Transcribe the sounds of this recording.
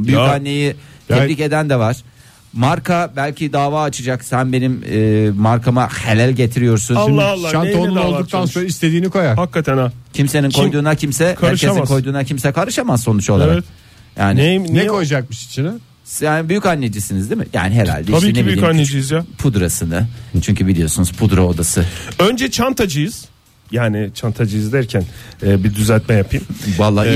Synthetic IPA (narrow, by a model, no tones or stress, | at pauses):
byjykanʲːejit̪ʰeɾice̞d̪ænd̪ɛvaɾ̥ | maɾkʰabælʲcʰid̪aːvaːt͡ʃʰɯd͡ʒaksænbe̞nimːmaɾkʰamaxelʲælʲɟe̞t̪ʰiɾijo̞ɾsunalˠːaalˠːaʃanʰonlˠolˠd̪uk̚t̪ʰansonɾaist̪ʰed̪iːnikʰo̞jahakːat̪ʰænacʰimse̞ninkʰojd̪uːnacʰimsɛkʰaæɾʃeinkʰo̞jd̪uːnacʰimsɛkʰaɾɯʃamazso̞nut͡ʃo̞lˠaɾa̰k̪ | jaːnɪenɛkʰojad͡ʒak̚mɯʃi̥t͡ʃʰin | jaːnibyjycanːed͡ʒisinizd̪imɪ̰ja̰ːnɪɦeɾa̰lʲd̪ɛiʃbiiebiyyanːed͡ʒijizjapʰud̪ɾasɯnat͡ʃʰyɲcʰybilʲijo̞sunuz̥pʰud̪ɾaod̪asɯønd͡ʒɛt͡ʃʰant̪ʰad͡ʒɯjɯz̥ | jaːnit͡ʃʰant̪ʰad͡ʒɯjɯzd̪æɾcʰænɛːbid̪yzælʲt̪̚mɛjapʰijmvalˠːa